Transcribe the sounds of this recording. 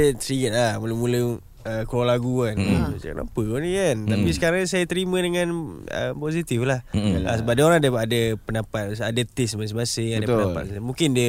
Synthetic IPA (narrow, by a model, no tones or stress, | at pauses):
t̪ɾiɡət̪̚lamuləmulə | əkolaɡuankə̰na̰pəkonikant̪apisəkaɾaŋɲsajat̪əɾimə̃dəŋanə̰posit̪ɪflaha̰səbap̚daoɾaŋdaadapənapat̪̚adat̪ɪsmas̬ɪmasɪŋadapənaa̰smuŋkɪndiə